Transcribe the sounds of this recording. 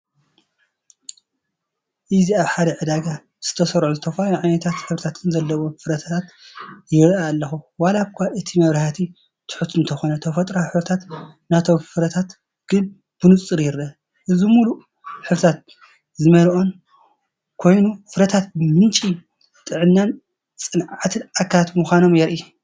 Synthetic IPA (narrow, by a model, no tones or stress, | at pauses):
ʔɨziaβħad̪ɐʕɨd̪aɡa | z̥ɨt̪ʰɐsɐɾʕuzɨt̪ʰɐfajoʕajnɐt̪ʰat̪ħɨβɾit̪ʰat̪ɨnzɐlːɐβofɨɾɐt̪ʰat̪ʰat̪jɪɾaːlːɐxuwalakʷʰːaʔɨt̪ʰimɐβɾɐhat̪ʰi | t̪ʰʊ̥ħut̪ɨnt̪ʰɐxo̞nɐt̪ʰɐfɐt̪ʼɾaħɨβɾɨt̪ʰat̪nat̪ʰo̞mfɨɾɐt̪ʰat̪ | ɡ̥ɨn | b̥ɨnut͡sʼɨɾjɪɾʔɐ | ʔɨzimulu | ħɨβɾɨt̪ʰat̪̚ | zɨmɐlʔo̞n | kʰo̞jnufɨɾɐt̪ʰat̪̚mɨnt͡ʃʼi | t̪ʼɨʕɨnːan | t͡sʼɨnʕat̪ʰɨnakʰːaat̪muxʷano̞mjɛɾʔi